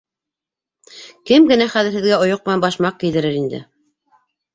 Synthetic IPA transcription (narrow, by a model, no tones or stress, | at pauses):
kɘmɡɘ̆næχæðɘ̆ɾhɘ̆ðɡæŏjoq̚mɘnænbɑʃmɑq̚kild̪ɘ̆ɾɘɾind̪ɘ̰